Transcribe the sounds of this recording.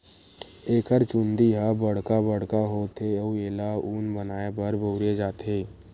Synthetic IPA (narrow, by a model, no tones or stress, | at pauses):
eːkəɾt͡ʃʊ̃nd̪iɦabəɽ̤kabəɽkaɦoːt̪ʰeoueːlauːnbənaːebəɾboʊɾed͡ʒaːt̪eː